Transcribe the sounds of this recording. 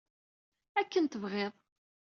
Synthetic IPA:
ækːənt̪əvʁeðˤ

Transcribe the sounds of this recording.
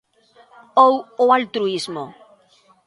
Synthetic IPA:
owoalt̪ɾuizmo

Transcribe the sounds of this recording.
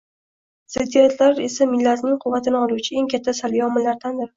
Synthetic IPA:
z̥et̪ʰeɾat̪laɾe̞samɪlːat̪nɪŋqʰʊvːat̪ʰɪnɪɒlˠuwt͡ʃʰɪe̞ŋkʲʰat̪ʰːasaljɒmɪlːaɾd̪and̪ɪɾ

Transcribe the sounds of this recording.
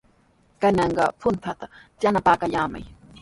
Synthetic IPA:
kanɑɴɢɑ̰pʰʊnt̪ʰat̪ajanapaːkaʎaːma̰j

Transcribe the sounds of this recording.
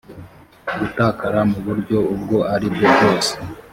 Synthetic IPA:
ɡutaːkaɾamuβuɾɟo̞ub̚ɡo̞ʔaɾibɡobɡo̞ːse̥

